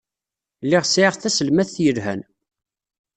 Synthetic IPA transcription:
lːiʁsʕiʁθæsəlmæθθjəlhæ̰n

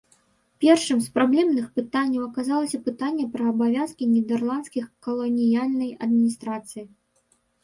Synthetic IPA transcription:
pʲɛrʂɨmspɾablʲɛmnɨxpɨt̪anʲːɐwɐkazalˠɐsʲɐpɨt̪anʲːɛpɾɐːbavʲjaskʲinʲɛd̪ɛrlˠant̪skʲixkɐlˠɔnʲijalʲnɐjɐd̪̚mʲinʲist̪ɾat̪sɨji

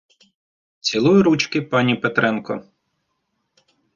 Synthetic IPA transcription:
t͡sʲilˠujʊɾut͡ʃkɪpɑnʲipet̪ɾɛnkɔ̰

